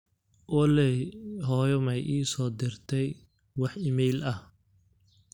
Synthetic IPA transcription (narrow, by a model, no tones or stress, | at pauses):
ʔɔlɛɦɔːjɔmɛjʔiːsɔːd̪ɪrt̪ʰɛj | wɑħɪmɛjlɐh